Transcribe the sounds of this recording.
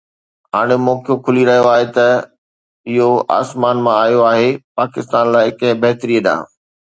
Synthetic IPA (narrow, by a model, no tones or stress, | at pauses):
ɦaːɽ̃emɔːkijokʰʊliɾɐɦijoaːɦet̪ɐ | ɪɦoa̰ːsmaːnmãaːjoaːɦepaːkɪst̪aːnlaːɪɪkɐ̃ɦɪ̃bɐɦt̪ɾiːəɗã̰ː